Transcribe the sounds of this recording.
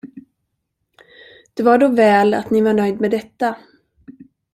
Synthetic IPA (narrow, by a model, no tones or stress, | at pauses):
d̪̥ɛvaɖovɛːla̰t̪nɪvaɳœjd̪mɛd̪ɛt̪ːa